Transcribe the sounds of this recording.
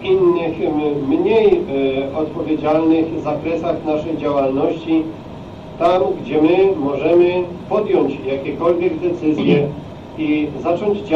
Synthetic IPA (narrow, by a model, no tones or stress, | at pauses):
inːɘxmɲejɔt̪pɔvʲjed͡ʑalnɘxzakɾɛsaxnaʂɛjd͡ʑawalnɔɕt͡ɕi | t̪amɡd͡ʑɛmɘmɔʐɛmɘpɔd̪jɔɲt͡ɕjakʲɛkɔlvʲjɛɡd̪ɛt̪sɘzʲjɛ | izat͡ʂɔɲd͡ʑd͡ʑ